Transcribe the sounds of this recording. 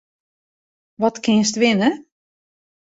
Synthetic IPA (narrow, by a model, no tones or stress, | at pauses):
ʋɔtkɪs̬tʋɪnə